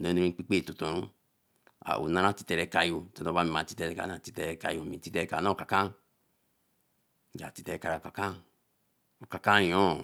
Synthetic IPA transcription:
no˨˦no˧ɾĩ˧˦k͡pi˦k͡pe˦˨tu˨to˨nu˦ | a̰˨ʔṵ˨na˦nã˦˨ti̥˧tɛ˧ɾɛ˧ka˧jo˧tɔ˨no˧ba˦mi˧mã˨ti˧tɛ˧ɾɛ˧ka̰˨nã˦˨ti̥˧tɛ˧ɾɛ˧ka̰˨˧jo˧˨mĩ˨ti˦tɛ˧ɾɛ˧ka˨˦nã˦˨ka˨kã˦˨ | d͡ʒa̰˨ti˧tɛ˧ɾɛ˧ka˨˧ɾa˨ka˨kã˦ | o˨ka˨kã˦˨jɔ̃˦

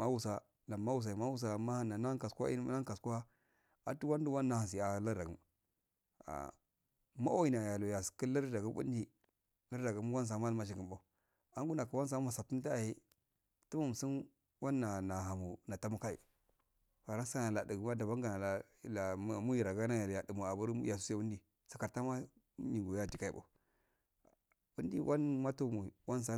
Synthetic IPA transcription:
ma˦wu˨sa˦ | la˨ma˦wu˨s̬a˨i˨ma˦wu˦s̬a˨ma˦ha˦na˨na˦ka˨sʷa̰˦ḭ˦a˦ka˨ska˦ | a˨tu˦wa˦n˦du˦wa˦nːa˨ha˨ns̬i˨a˨la˦ɾa˨ɡm˨ | a̰˨ | ma˦o˦i˨na˨ja˨lo˨ja˨ski˦la˦ɾda˨ɡu˦bṵ˦n˦di˦ | la˦ɾda˨ɡu˨˦m˦wa˦ns̬a˨˦ma˦lma˨ʃ̬i˨ɡi˨mba˨ | a˦ŋɡu˦na˨ku˨wa˦ns̬a˦ma˨sa˨tu˦n˦ta˦˨ji˦ | tu˦mu˨m˨si˦n | wa˦nːa˨na˨ɦa˨mu˨na˨ta˦mu˦ka˦ḭ˨ | fa˨ɾa˦sa˦na˨la˨di˨ɡma˦da˨ba˦ŋɡa˨na˨la˨ | la˨˦˨mu˦ji˨ɾa˨ɡa˦na˦ja˨ja˨də˨mu˨a˨bu˦ɾja˨s̬u̥˦se˦wu˦di˨ | sḁ˨ka˨ɾta˦ma˦ | mi˨ɡo˨ja˦di˨ka˦i˨a̰˨u˨ | wu˦n˦dḭ˦wʔa˦nma˦to˦˨mu˨i˨wa˦n˦s̬a˦

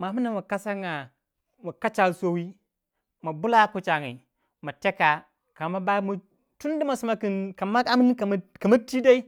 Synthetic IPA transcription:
ma˨mu˦na˦˨mu˨ka˦sa˦ŋa˨ | mu˨ka˦t͡ʃa˨lso˦wi˦ | ma˨bu˦la˦ku˦t͡ʃa˨ŋḭ˨ | ma˨te˦ka˨ | ka˨ma˦ba˦mu˨ | tu˦n˦di˦ma˨su˨ma˨ki˨nka˨ma˦a˦mi˦n˦ka˨m˦ka˨ma˦ti˦da˦i˦

